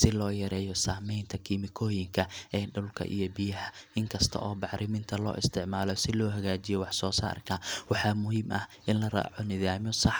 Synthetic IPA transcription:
sɪlɔːjɐɾɛːjɔsaːmɛjnt̪ʰɐkʰimɪkʰɔːjɪŋkʰɐʔɛːɖʊlkʰɐ̰ʔḭjɔbɪjɐɦɐʔɪŋkʰɐst̪ʰɐ̰ʔɔːbɑħɾɪmɪnt̪ʰɐlɔ̰ːʔɪ̰st̪ʰɪʕmaːlɔsɪlɔːɦɐɣaːt͡ʃɪjɔwɑħsɔːsa̰ːrkʰɐwɑħɑːmʊɦiːmʔɐ̰hʔɪnlɐra̰ːʕɔnɪðaːmɔsɑħ

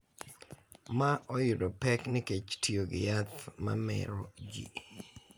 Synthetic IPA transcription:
maʔɔjʊɾopɛknɪket͡ʃtioɡɪ̰jat̪ma̰mɛ̰ɾod͡ʒḭ

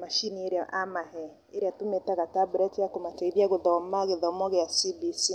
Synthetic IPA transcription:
maʃinieɾeaʔamaɦɛ | eɾeatometaɣatabɾɛtjakomatɛiðjaɣoðɔɔmaɣeðɔmɔɣɛjasibisi

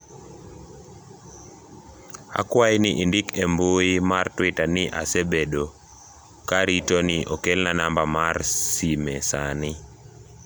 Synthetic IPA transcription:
a̰kwainɪʔindɪkemboimartwɪtanɪʔa̰sebedo | kaɾitoniʔɔkelnanambamarsimesanɪ

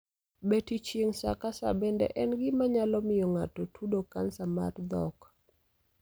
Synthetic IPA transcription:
betit͡ʃjeŋsa̰kasa̰bɛndɛ̰ʔɛnɡɪmaɲalɔmɪjɔŋatɔtʰudokansama̰ɾd̪ɔ̰k

